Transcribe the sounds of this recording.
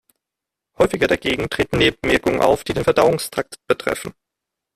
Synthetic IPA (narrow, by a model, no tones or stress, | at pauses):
hɔʏfɪɡɐɾaɡeːɡŋ̩tʁ̥eːtn̩neːbəmɛɐkʊŋənʔa̰ʊfd̥iːdeːnfɛɐdaʊʊŋstʰʁ̥ak̚tb̥ətʁ̥ɛ̰fn̩